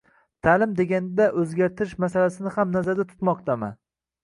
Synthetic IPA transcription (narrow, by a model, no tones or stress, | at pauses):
t̪ʰalɪmd̪e̞ɡʲand̪aʔɵzɡʲaɾt̪ʰɪɾɪʃmasalasɪnɪhamnazaɾd̪at̪ʰʊ̥t̪mɒq̚t̪ʰama̰